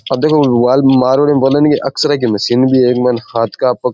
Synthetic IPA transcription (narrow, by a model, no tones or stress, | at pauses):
ɐbd̪eːkʰoʋaːlmaːɾʋɐɽimbɐlɐnkeʔɐksɐɾak̬imɐsinbʱieːkmɐnhaːt̪ʰkapɐk